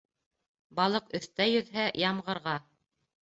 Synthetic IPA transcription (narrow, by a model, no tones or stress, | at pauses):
bɑlˠɤqɵ̆θt̪æjɵ̆ðɦæjɑmʁɤ̆ɾʁɑ